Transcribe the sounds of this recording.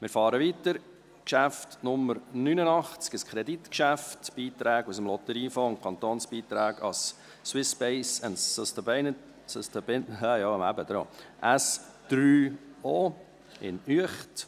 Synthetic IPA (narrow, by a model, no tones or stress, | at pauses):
mɪːɾfɑːɾəʋit̪əɾ | kʃæftnʊməɾnynənɑχt͡skəskʰɾɛd̪it̪kʃæftb̥iːt̪ɾæːɡusəmlɔt̪əɾiːfoːʊnkʰɑnt̪oːnsb̥iːt̪ɾæːɡɑ̰sː | wɪspɛɪsəntːəst̪əbɛnə | səst̪əbɪnhæjɑmæ̰bəd̥̪ɾo̰ːʔæs | d̥ɾyːoː | ɪ̰nyəχt